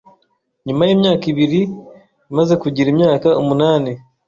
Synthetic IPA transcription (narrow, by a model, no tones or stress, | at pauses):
ɲumajeːmɲaːkiβiɾi | imaze̞kuɟiɾimɲaːkaomunaːne